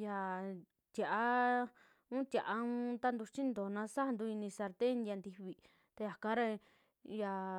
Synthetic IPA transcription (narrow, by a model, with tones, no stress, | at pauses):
ja˧ | t̪ja˨ʔa˧ | ũ˦t̪ʲa˨ʔa˧ũ˧˦t̪a˦nd̪u˧t͡ʃĩ˦nd̪o˨nã˧˦sa˦˧nd̪u˧i˧nĩ˧sa˧ɾt̪e˦˧nja˧nd̪i˧βi˧ | t̪a˧ja˨kã˧˦ɾa˧ | ja˧˨